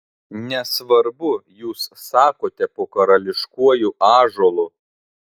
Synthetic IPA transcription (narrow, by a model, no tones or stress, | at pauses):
nʲɛsʋɐɾbʊjuːsːɑːkoːt̪ʲɛpoːkɐɾɐlʲɪʃkuɔjuːʔɑːʒoːlˠu